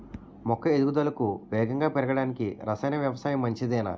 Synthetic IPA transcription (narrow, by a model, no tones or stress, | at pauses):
mɔkːɐed̪uɡud̪ɐlɐkuʋɛːɡɐŋɡaːpɛɾɐɡɐɽaːnikiɾɐsɐjnɐʋjɐʋɐsaːjɐmːɐɲt͡ʃid̪ɛːnɐ̰